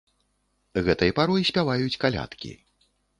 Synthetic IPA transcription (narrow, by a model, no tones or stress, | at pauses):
ɣɛt̪ɐjɐpaɾɔjisʲpʲavajut͡sʲkalʲa̰t̪kʲḭ